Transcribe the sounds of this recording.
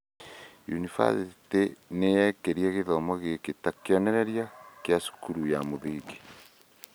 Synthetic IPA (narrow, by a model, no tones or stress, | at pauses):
jṵnifa̰sitenejɛkeɾjɛɣeðɔmɔɣeketakeɔnɛɾɛɾjakjasu̥kuɾujamoðeke̥